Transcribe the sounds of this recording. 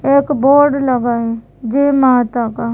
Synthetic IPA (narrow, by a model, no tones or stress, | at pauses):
eːkboːɾɖləɡaːɦɛ | d͡ʒeːmaːt̪akaː